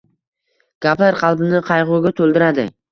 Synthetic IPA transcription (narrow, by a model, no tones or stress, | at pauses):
ɡ̥ʲaplaɾqʰɑlˠbɪnɪqʰɑjʁʊɡʲat̪ʰɵlˠd̪ɪɾad̪ɪ̰